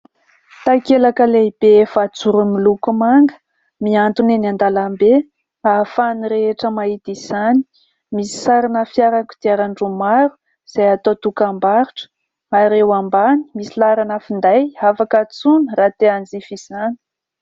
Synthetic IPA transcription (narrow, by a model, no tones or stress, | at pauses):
t̪akelakəleibefat͡suɾumilukumaŋɡə̥ | miant̪uneniand̪alambe | afaniɾeeʈ͡ʂəmait̪iz̥ani̥ | misi̥saɾanəfjaɾaku̥d̪̥iaɾaɳɖ͡ʐumaɾu | z̥ajat̪ot̪ukambaɾuʈ͡ʂə̥ | aɾewambani̥misilaɾanəfind̪ajafakat͡sunəɾat̪eand͡zifiz̥ani̥